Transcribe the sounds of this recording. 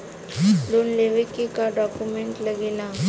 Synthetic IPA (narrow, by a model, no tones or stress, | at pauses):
lunleʋikikaɖɔkjumeɳʈləɡila